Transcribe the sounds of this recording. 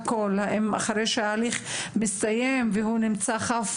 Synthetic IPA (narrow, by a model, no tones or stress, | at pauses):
kolaema̰χaɾejʃeaːliχmist̪ajemvehunimt͡saχaf